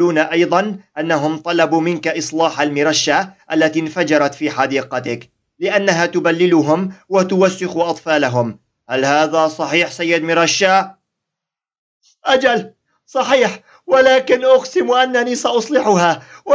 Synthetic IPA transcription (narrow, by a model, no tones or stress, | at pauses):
uːnaʔɑjðˤɑnʔanːaɦʊmt̪ˤɑlɑbuːmɪnkaʔɨsˤlɑːħalmɪɾˤɑʃːaʔalːat̪infad͡ʒɑɾˤɑt̪fiːħɑd̪iːqɑt̪ɪk | lɪʔanːaɦaːt̪ʊbalːɪlʊɦʊmwat̪ʊwasːʊxuʔɑt̪ˤfɑːlaɦʊm | halhaːðaːsˤɑħiːħsajːɪd̪mɪɾˤɑʃːa | ʔad͡ʒal | sˤɑħiːħ | walaːkɪnʔʊqsɪmʔanːaniːsaʔʊsˤlɪħʊɦaːw